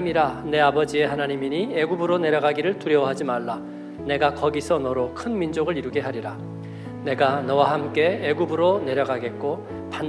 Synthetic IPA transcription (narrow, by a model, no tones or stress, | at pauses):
miɾane̞abʌd͡ʑie̞ɦanaɲimiɲieɡubɯɾone̞ɾjʌɡaɡiɾɯɭtuɾjʌwɦad͡ʑimaɭːa | ne̞ɡakʌɡisʰʌnʌɾokʰɯnmind͡ʑoɡɯɭiɾɯɡe̞ɦaɾiɾa | ne̞ɡanʌwahamk͈e̞ːɡubɯɾone̞ɾjʌɡaɡe̞t̚k͈o | pan